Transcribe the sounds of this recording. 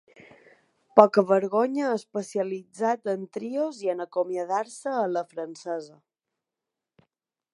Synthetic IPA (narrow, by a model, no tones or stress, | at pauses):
pɔkəβəɾɣoɲəəspəsiəlid͡zat̪ənt̪ɾioziənəkomjəð̞aɾsəːləfɾənsɛzə